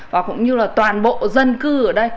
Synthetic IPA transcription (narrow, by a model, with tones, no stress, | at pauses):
vaː˨˩kʊ̰˧˥wŋ͡mɲɨ˧laː˨˩t̪waː˨˩nɓo̰˧˨zə˧nkɨ˧ʔəː˧˩ɗə˧j